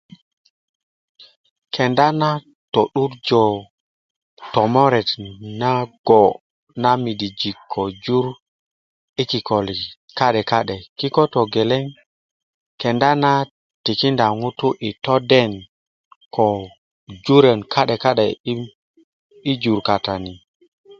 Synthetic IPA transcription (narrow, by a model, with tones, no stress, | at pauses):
kʰe˨nda˦na˦ | to˨ɗu˦ɾd͡ʒɔ˨ | tɔ˨mo˦ɾɛ˨tna˦ɡ̥ɔ˨ | na˦mi˨di˨d͡ʒi˨kʰːo˨d͡ʒu˦ɾ | i˦ki˨kɔ˨li˨ | ka˦ɗɛ˨ka˦ɗɛ˨ki˦kɔ˦tɔ˨ɡe˨lɛ˦ŋ | kɛ˨nda˦na˦ | ti˨ki˦nda˨ŋu˦tu˦ʔi˨tɔ˦dɛ˦˨n | kʰɔ˨ | d͡ʒu˦ɾe˨nkʰa˦ɗe˨ka˦ɗe˨˦ | i˦d͡ʒu˨ɾka˨ta˨ni˨